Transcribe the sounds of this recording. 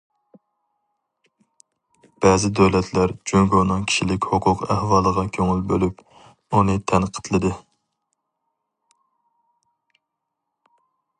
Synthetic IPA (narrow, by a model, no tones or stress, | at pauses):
b̥ɛːzɪd̪øwlɛt̪ʰlæɾd͡ʒyŋɡonɨŋkʲʰi̥ʃilɪkʲhoqʰʊqæhwɑːlˠəʁɑkʲʰøŋylbølyp̚ | unɨt̪ʰɛnqʰə̥t̪ʰlˠɨd̪ɨ